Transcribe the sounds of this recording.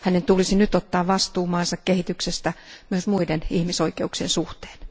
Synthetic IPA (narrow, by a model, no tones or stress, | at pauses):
hænent̪ulisinyt̪ot̪ːɑːʋʋɑst̪uːmɑːnsɑkkehit̪yksest̪æmyøsmuidenihmisoikeuksiensuht̪e̥ːn